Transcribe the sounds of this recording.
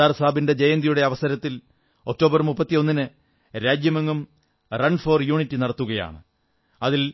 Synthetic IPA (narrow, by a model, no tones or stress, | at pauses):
aːrsaːbinde̞d͡ʑejɐnd̪ijuɽe̞ɐʋɐsɐɾɐt̪ːil | o̞k̚tːo̞ːbɐrmupːɐt̪ːijo̞nːinɨ | ɾaːd͡ʑjɐmɐŋːum | rɐnfo̞ːrjuːɳitːɨnɐɽɐt̪ːuɣɐja̰ːɳɨ | ɐðil